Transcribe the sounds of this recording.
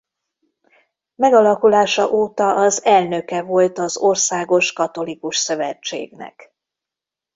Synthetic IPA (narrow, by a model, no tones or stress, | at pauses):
mɛɡɒlɒkulaːʃɒʔoːt̪ɒʔɒzɛlnø̞kɛvo̞lt̪ɒzo̞rsaːɡo̞ʃkɒt̪o̞likuʃsøvɛt͡ʃːḛːɡnɛ̰k